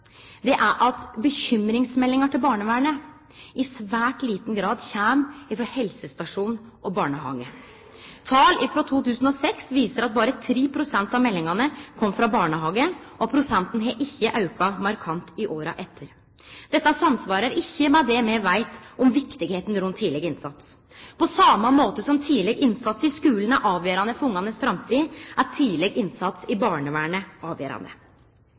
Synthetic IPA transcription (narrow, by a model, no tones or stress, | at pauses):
d̪ɛʔæɾʔɑt̪bəçʏmɾɪŋsmɛlːɪŋɑʈɪlbɑːɳəʋæːɳə | ʔɪsʋæːʈliːt̪n̩ɡɾɑːd̪çæːmɪfɾɔhɛlsəst̪ɑʂuːn | ʔɔbɑːɳəɦɑ̰ːɡə | t̪ʰɑːlɪfɾɔt̪ʰuːt̪ʰʉːsn̩ɔsɛksʋiːsəɾɑt̪̚bɑːɾət̪ʰɾiːpʰɾʊsɛnt̪ɑmɛlːɪŋɑnəkʰɔmːfɾɑbɑːɳəhɑːɡəʔɔpʰɾʊsɛnt̪n̩ɦɛʔɪçːəʔɑʉkɑmɑɾkʰɑnt̪ɪʔoːɾɑʔɛt̪ʰːəɾ | d̪̥ɛt̪ːɑsɑmsʋɑːɾəæɾɪçːəmɛd̪ɛmɛʋæɪt̪ɔmʋɪkt̪ɪɡheːt̪n̩ɾʉnt̪ʰːiːlɛɡɪnsɑt̪s | pʰɔsɑmːɑmoːt̪əsɔmt̪ʰiːlɛɡɪnsɑt̪sɪskʉːlən̩æʔɑːʋjøːɾɑnəfɔɾʊŋːɑnəsfɾɑmt̪ʰiːʔæɾt̪ʰiːlɛɡɪnsɑt̪sɪbɑːɳəʋæːɳəɑːʋjø̰ːɾɑ̰nd̪ə̰